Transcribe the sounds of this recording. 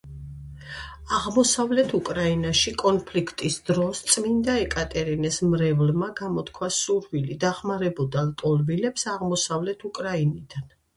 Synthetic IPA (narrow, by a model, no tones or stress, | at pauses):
aʁmɔsavlɛt̪ʰukʼɾainaʃikʼɔnpʰlikʰt̪ʼisd̪ɾɔst̪sʼmind̪aɛkʼat̪ʼɛɾinɛsmɾɛvlmaɡamɔt̪kʰwasuɾvilid̪aχmaɾɛbɔd̪alt̪ʼɔlˠvilɛpsaʁmɔsavlɛt̪ʰukʼɾainid̪an